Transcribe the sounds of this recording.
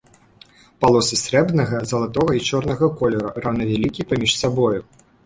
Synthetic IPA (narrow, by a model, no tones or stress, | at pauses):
palˠɔsɨsʲɾɛbnɐɣɐzɐlˠat̪ɔɣɐit͡ʂɔrnɐɣɐkɔlʲɛɾɐranɐvʲalʲikʲipamʲiʂsabɔju